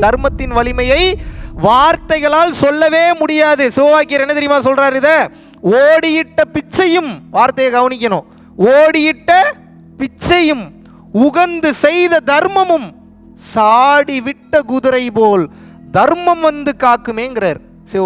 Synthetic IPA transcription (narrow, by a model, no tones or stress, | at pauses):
d̪ɐɾmɐt̪ːɪnʋɐɭɪmɐjɐɪʋaːɾt̪ɐɪɣɐɭaːlsɔlːɐʋeːmʊɽɪjaːðɯsɪʋɐʋaːkɪjɐɾɛnːɐt̪ɛɾɪjɯmaːsɔlraːɾɪðɐ | oːɽɪjɪʈːɐpɪt͡ʃːɐjɯmʋaːɾt̪ɐjɐɡɐʋɐnɪk̬ːɐnõː | oːɽɪjɪʈːɐ | pɪt͡ʃːɐjɯm | ʊɣɐnd̪ɯsɛjðɐd̪ɐɾmɐmɯm | saːɽiʋɪʈːɐkʊðɯɾɐɪpoːl | d̪ɐɾmɐmʋɐnd̪ɯkːaːkːɯmeːŋɡɪɾɐɾ | sɪ